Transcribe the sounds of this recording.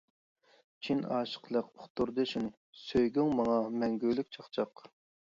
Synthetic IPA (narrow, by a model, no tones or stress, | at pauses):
t͡ʃʰinɑːʃə̥qlˠəqoχt̪ʰuɾd̪ɨʃun | søjɡʲyŋmɑŋɑmɛŋɡʲylyk̚ʲt͡ʃʰɑχt͡ʃʰɑq